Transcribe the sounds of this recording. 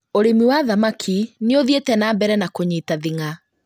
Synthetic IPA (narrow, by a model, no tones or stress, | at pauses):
oɾemiwaðamakʰineoðietɛnaːbɛɾɛnakoɲiːtaðiŋa